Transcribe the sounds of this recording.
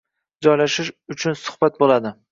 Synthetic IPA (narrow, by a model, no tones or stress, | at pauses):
d͡ʒɒjlaʃɪʃʊt͡ʃʰʊnsʊ̥hb̥at̪̚bolad̪ɪ